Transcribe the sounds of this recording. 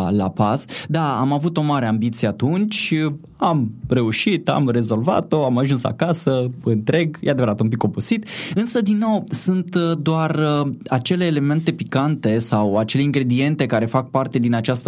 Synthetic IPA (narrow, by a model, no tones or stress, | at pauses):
la̰pasd̪aamavut̪o̞maɾe̞ambit̪sieat̪unt͡ʃʲ | amre̞uʃit̪a̰mre̞zo̞lva̰t̪o̞amaʒunsa̰kasəɨnt̪ɾe̞ɡjʔead̪e̞vəɾat̪ump̬iko̞pusit̪ɨnsəd̪inːo̞wsunt̪d̪oarat͡ʃe̞le̞ːle̞me̞nt̪e̞pikant̪e̞sawat͡ʃe̞leiŋɡɾe̞d̪ije̞nt̪e̞kaɾe̞fak̚part̪e̞d̪inat͡ʃast̪